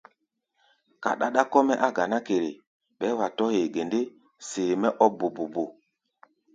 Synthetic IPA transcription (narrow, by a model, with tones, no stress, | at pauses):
ka̰˨ɗa˨ɗa˦kɔ˦mɛ˦ʔa˦ɡa˨na˦ke˨ɾḛ˨ | ɓɛ˨˦wa˨tɔ˦he˨ɡe˨nde˦ | seː˨mɛ˦ʔɔ˦bo˨bo˨bo˨